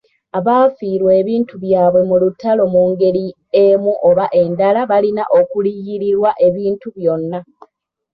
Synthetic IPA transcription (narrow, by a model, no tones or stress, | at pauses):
aβaːfiːɾwe̞ːβiːntuβjaːβwe̞mulutːalo̞muːŋɡe̞li | emuʔo̞βaʔe̞ndalaβalina̰ʔo̞kulijiɾiɾwaʔe̞βiːntuβjo̞nːa